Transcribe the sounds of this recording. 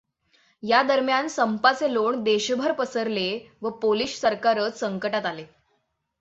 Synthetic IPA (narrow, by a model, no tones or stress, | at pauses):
jad̪əɾmjansəmpat͡seloɳd̪eɕbʱəɾpəsəɾle | ʋəpoliːɕsəɾkaɾət͡ssəŋkəʈat̪ale